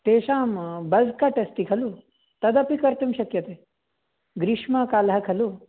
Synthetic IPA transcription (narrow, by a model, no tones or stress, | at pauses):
t̪eɕaːmbɐd͡zʱkaʈest̪ikʰɐlu | t̪ɐd̪apikɐɾt̪umɕɐkjɐt̪e | ɡɾiʂmakaːlɦakʰɐlu